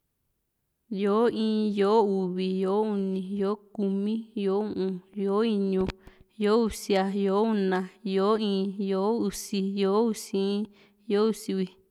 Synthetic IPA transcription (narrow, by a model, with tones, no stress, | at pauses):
jo˨˦ĩː˧˦jo˨˦u˨βi˨jo˨˦u˧nĩ˨jo˨˦ku˧mĩ˦jo˨˦ũ˦˨ʔũ˧jo˨˦i˧ɲũ˧jo˦u˧si˧a˧jo˨˦u˦˧nã˧jo˨˦ĩː˧˦˧jo˨˦u˧si˧jo˨˦u˧sĩ˦ | jo˦u˧si˧wi˧